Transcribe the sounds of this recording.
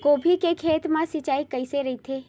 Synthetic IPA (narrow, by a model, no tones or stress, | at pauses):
koːbʱikekʰeːt̪mãsɪt͡ʃaːikəɪseɾəit̪ʰe